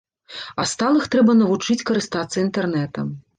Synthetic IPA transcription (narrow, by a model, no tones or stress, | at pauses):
ɐst̪alˠɨxt̪ɾɛbɐnɐvut͡ʂɨt͡sʲkɐɾɨst̪at̪sːɐint̪ɛrnɛt̪ɐm